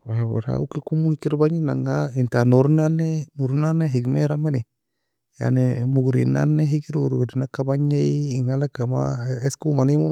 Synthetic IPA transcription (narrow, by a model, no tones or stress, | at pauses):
waewḛɾa̰ṵkikumuhikiɾbaɲina̰ŋaintanoɾnanemuɾnaneɦiɡmeɾameni | ja̰nemuɡɾḭna̰nːeɦikiɾuɾuɡɾinakabaɲeiŋalakama̰eskumanimu